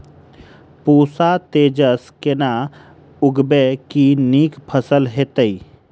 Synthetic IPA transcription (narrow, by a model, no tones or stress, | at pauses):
puːsat̪eːd͡ʒəskena | ʊɡbekiniːkpʰəsəlɦeːt̪əi